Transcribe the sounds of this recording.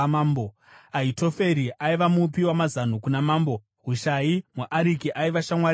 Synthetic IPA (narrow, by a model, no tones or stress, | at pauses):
maːmbo | aito̞fe̞ɾiʔaiʋamupiwamazan̤ukunamaːmbo̞ | ɦuʃajimuʔaɾikiʔaiʋaʃamwa